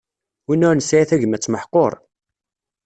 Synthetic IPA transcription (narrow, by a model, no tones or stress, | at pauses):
winːʊɾnəsajæθæʝəmæt͡sːməħqoɾˤ